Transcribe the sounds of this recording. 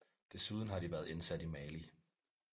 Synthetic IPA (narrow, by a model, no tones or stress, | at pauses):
d̥e̝suð̞ˠn̩ɦhɑ̈ɾ̥iʋæɐðˠe̝nsæd̥imɛli